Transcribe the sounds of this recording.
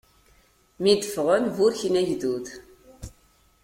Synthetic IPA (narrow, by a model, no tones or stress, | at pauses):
mid̪əfʁənvuɾçnæʝðuθ